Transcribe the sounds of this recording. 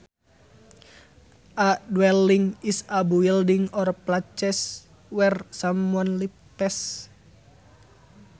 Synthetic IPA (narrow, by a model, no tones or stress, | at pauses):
ʔaʔdwɛliŋisabuildiŋɔrplat͡ʃɛs | wɛrsamuanlipɛs